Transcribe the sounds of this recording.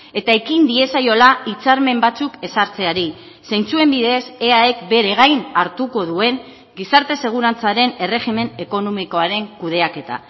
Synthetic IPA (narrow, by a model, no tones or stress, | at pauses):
e̞t̪ae̞kind̪ie̞sajo̞lait͡saɾme̞mbat͡suke̞saɾt͡se̞aɾi | se̞jnt͡sue̞mbiðe̞se̞ae̞kbe̞ɾe̞ɣajnaɾt̪uko̞ð̞ue̞ŋ | ɡisaɾt̪e̞se̞ɣ̞uɾant͡saɾe̞ne̞re̞xime̞ne̞ko̞no̞miko̞aɾe̞ŋkuð̞e̞ake̞t̪a̰